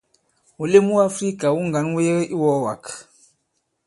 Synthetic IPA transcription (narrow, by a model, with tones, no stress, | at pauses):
u˨le˦mu˦a˦fɾi˦ka˨wu˦ŋ˨ɡa˨˦nwe˦ɣʔi˦wɔ˨˦wa˨k